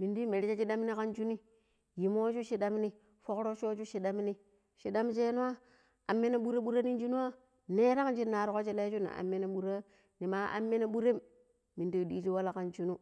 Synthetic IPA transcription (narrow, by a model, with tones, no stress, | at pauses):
mi˨ndi˦me˨ɾi˦t͡ʃa˦t͡ʃi˦da˦m˦ni˦ka˦nt͡ʃu˦ni˦ | ji˨mo˦t͡ʃu˦ʃi˦da˦m˦ni˦ | fo˦kɾo˦t͡ʃo˦t͡ʃu˦ʃi˨ɗa˦m˦ni˦ | ʃi˨ɗa˦mt͡ʃe˦nu˦a˦ | a˨mːe˦na˦ɓu˦ɾe˦ɓu˦ɾa˦ni˦n˦d͡ʒi˦nu˦a˦ | ne˦ɾa˦knt͡ʃi˦nːa˨ɾko˦t͡ʃe˦la˦t͡ʃu˦na̰˨a̰˨mːe˦na˦ɓu˨ɾa˦ | ni˨ma˨ʔa̰˨mːe˦na˦ɓu˦ɾe˦m | mi˨ndi˦˨di˦t͡ʃi˦wa˦la˦ka˨nt͡ʃu˦nu˦